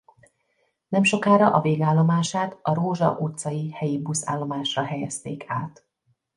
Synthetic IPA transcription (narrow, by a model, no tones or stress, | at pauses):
nɛmʃo̞kaːɾɒʔɒveːɡaːlːo̞maːʃaːt̪ɒɾoːʒɒ̰ʔut̪sɒjihɛjibusa̰ːlːo̞maːʃrɒɦɛjɛst̪eːkʰaːt̪